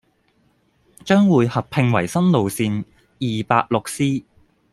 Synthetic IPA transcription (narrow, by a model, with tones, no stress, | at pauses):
t͡ʃœː˥ŋwuː˨jhɐ˨p̚pʰɪ˧ŋwɐ˨˩jsɐ˥nlo˨wsiː˨˧n | jiː˨˩paː˧k̚lʊ˨k̚siː˥